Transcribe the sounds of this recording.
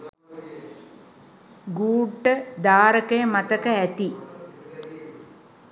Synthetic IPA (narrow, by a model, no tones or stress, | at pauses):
ɡuːʈːəd̪aːɾəkəjəmat̪əkəæt̪i